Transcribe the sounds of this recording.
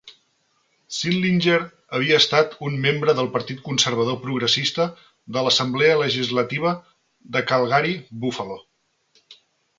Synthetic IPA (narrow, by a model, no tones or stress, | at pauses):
sinlinʲd͡ʒeɾ | əβ̞iəːst̪at̪unmembɾəðəlˠpəɾt̪it̪̚kunsəɾβ̞əð̞opɾuɣɾəsist̪ə | ðələsəmblɛələʒizlət̪iβ̞ə | ðəkəlˠɣaɾibufəlo